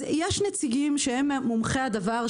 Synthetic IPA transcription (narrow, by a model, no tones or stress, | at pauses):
jeʃnet͡siɡimʃeemːumχead̪avaʁ